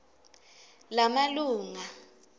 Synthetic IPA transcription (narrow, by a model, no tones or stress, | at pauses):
lamaluːŋa